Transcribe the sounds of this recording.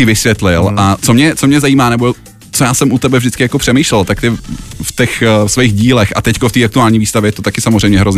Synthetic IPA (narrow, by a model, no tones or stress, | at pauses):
ɪvɪsvjɛt̪lɪlat͡somɲɛt͡somɲɛzajiːmaːnɛbo | t͡sojaːsɛmʔut̪ɛbɛvʒdɪt͡skɪjako̞pr̥ɛmiːʃlɛlt̪akt̪ɪft̪ɛxsvɛjɣɟiːlɛxʔa̰t̪ɛckoft̪iːʔak̚t̪uaːlɲiːviːst̪avjɛt̪ot̪akɪsamozrɛjmɲɛɦɾoz